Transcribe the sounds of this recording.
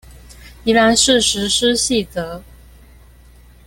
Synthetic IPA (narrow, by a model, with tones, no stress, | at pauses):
i˧˥la˧˥nʂɻ̩˥˩ʂɻ̩˧˥ʂɻ̩˥ɕi˥˩t͡sɤ˧˥